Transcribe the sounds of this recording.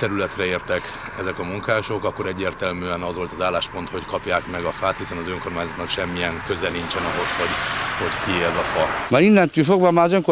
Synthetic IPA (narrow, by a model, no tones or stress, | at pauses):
t̪ɛɾylɛt̪rɛeːrt̪ɛk | ɛzɛkɒmuŋkaːʃo̞kɒkːo̞ɾɛɟːeːrt̪ɛlmyːɛnɒzʋo̞lt̪ɒzaːlːaːʃpo̞nt̪ho̞ckɒpjaːkmɛɡɒfaːt̪hisɛnɒzøŋkormaːɲzot̪nɒkʃɛmːijɛŋkø̞zɛnint͡ʃɛnɒɦo̞sho̞ɟho̞ɟkieɛzɒfɒmaːɾinːɛnt̪yːlfo̞ɡbɒmaːɾɒzøŋko